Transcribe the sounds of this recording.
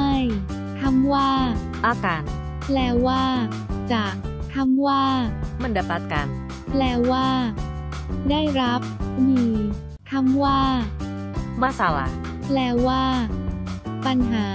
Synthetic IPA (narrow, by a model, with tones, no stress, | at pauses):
a˥˩j | t̪ʰa˦˥mwaː˥˩ | ʔaː˧˩kaː˧n | plɛː˧˥waː˥˩ | t͡ɕaː˨˩k̚ | t̪ʰa˦˥mwaː˥˩ma˧˩˨nda˧˩pa˧˩ka˧n | plɛː˧˥waː˥˩ | daː˥˩jɾa˦˥p̚miː˧ | t̪ʰa˦˥mwaː˥˩ | maː˥˩saː˨˩wa̰˨˧˩ | plɛː˧˥waː˥˩ | pa˧nɦaː˩˦